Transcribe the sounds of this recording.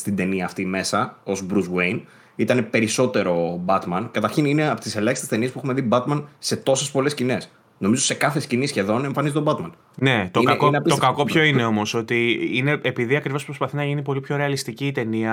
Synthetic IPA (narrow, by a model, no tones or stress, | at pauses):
st̪ind̪e̞niɐːft̪ime̞sɐo̞zbɾuzwejn | it̪ɐne̞pe̞ɾiso̞t̪e̞ɾo̞bɐt̪mɐnkɐt̪ɐɾçinineɐpot̪ise̞lɐçist̪est̪eniepuexumeðibɐt̪mɐnse̞t̪o̞se̞spo̞le̞scine̞s | no̞mizose̞kɐθescinisçe̞ðo̞ne̞mɱfɐnizit̪obɐt̪mɐn | ne̞t̪okɐot̪okɐko̞pço̞ine̞o̞mo̞so̞t̪iine̞epiðiɐkɾivospɾo̞spɐθinɐʝinipo̞lipço̞ɾeɐlist̪iciːt̪e̞niɐ